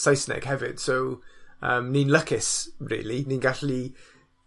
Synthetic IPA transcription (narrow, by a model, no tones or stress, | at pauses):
sajsnɛ̰ɡ̥hɛvɪ̰d̥sowəːmninləkʰɪsrḭːliniːnɡaɬi